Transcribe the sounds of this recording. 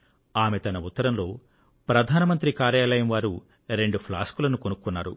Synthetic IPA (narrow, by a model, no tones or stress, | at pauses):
aːmet̪ɐnɐut̪ːɐɾɐmlo̞ː | pɾɐd̪ʱaːnɐmɐnt̪ɾikaːɾjaːlɐjɐmʋaːɾu | ɾe̞ɳɖupʰla̰ːskulɐnukonukːunːaːɾṵ